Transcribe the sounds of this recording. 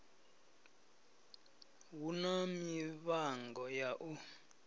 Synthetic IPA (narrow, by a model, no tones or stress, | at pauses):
wunamiβaŋɡʱɔjaʔu